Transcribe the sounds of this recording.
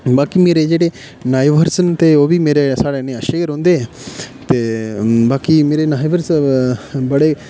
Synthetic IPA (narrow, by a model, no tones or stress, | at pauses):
baːkimeːɾed͡ʒeːɽeː | naːiʋəɾsənt̪eːoːbiːmeːɾeːsaːɽeːnẽːəʃeːəɾɦõːnd̪eːɛ | t̪eːbaːkimeːɾeːnaːiʋəɾs | bəɽeː